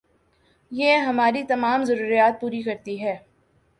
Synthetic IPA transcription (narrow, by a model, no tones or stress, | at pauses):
jeɦɐmaːɾit̪ɐmaːmzɐɾuːɾijaːt̪̚puːɾikɐɾt̪iɦɛː